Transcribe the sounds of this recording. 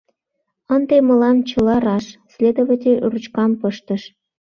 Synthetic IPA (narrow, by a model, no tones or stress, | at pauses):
ənd̪emə̆lɑmt͡ɕə̆lɑɾɑʃsʲlʲed̪ovət̪ʲerut͡ɕkɑmpəʃt̪ə̆ʃ